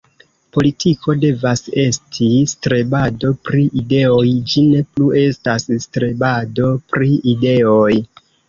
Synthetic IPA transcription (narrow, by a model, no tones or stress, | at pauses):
po̞litʰikʰo̞de̞vase̞stʰistɾe̞bado̞pɾiʔide̞o̞jd͡ʒine̞plue̞stasstɾe̞bado̞pɾiʔide̞oj